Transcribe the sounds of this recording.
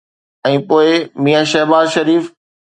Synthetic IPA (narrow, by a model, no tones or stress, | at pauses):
ɛ̃ːpoːɪmiːaʃɐɦbaːzʃɐɾiːf